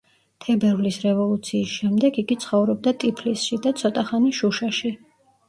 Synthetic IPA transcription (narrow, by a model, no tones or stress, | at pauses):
t̪ʰɛbɛɾvlisɾɛvɔlˠut̪sʰiːsʃɛmd̪ɛɡiɡit̪sʰχɔvɾɔb̚d̪at̪ʼipʰlisʃid̪at̪sʰɔt̪ʼaχaniʃuʃaʃi